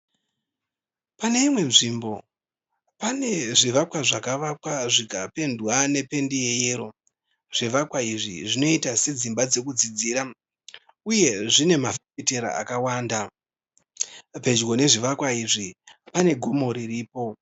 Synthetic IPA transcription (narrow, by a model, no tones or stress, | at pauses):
pane̞imwe̞nʐimbo̞ | pane̞ʐiʋakwaʐakaʋakwaʐikape̞ndwane̞pe̞ndije̞je̞ːɾo̞ | ʐ̥iʋakwaiʐḭʐino̞itase̞d͡zimbad͡ze̞kud͡zid͡ziːɾa | uje̞ʐine̞mafeete̞ɾa̰a̰kawaːnda | pe̞d͡ʒɡo̞ne̞ʐiʋakwaiʐipane̞ɡʱo̞mo̞ɾiriːpo̞